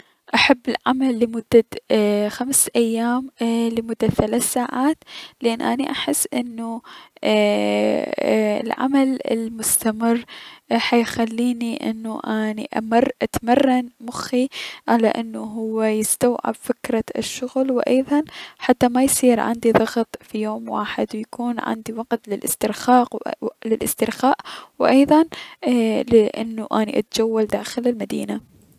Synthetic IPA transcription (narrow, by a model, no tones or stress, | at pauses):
ʔaħabːɪlʕamalːɪmʊd̪̥ːaxamsʔajːaːmlɪmʊd̪ːaθalaːθsaːʕaːt̪lʔanːʔaniʔaħɪsːʔɪnːu | ɪ̰lʕa̰malɪ̰lmʊst̪amɪrːħajxalːiːniʔɪ̰nːuʔaniʔa̰mɪrˤːʔat̪marˤːanmʊxiʕala̰ʔɪnːuɦʊwːajɪst̪awʕɪ̰bfɪkɾˤɑʃːʊɣlwʔɑjðˤɑnħat̪ːamajsˤiːɾʕa̰nd̪iðˤɑɣt̪ˤfijoːmwa̰ːħɪd̪wjakuːnʕa̰nd̪iwɑɡt̪lɪlʔɪst̪ɪɾxaːqlɪlʔɪst̪ɪɾxaːʔwʔɑjðˤɑn | lɪʔɪnːuʔaːniʔa̰t̪d͡ʒawːald̪aːxɪlɪlmad̪iːna